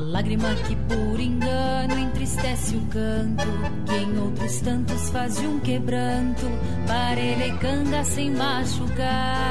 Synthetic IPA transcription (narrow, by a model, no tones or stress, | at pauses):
laɡɾimɐkɪpoɾẽŋɡɐ | nʊẽnt̪ɾist̪ɛsɪʊkɐ̃nt̪ʊ | kɪẽj̃owt̪ɾʊst̪ɐ̃nt̪ʊsfazũkebɾɐ̃nt̪ʊ | paɾelekɐ̃ɡɐsẽj̃ma | ʃuka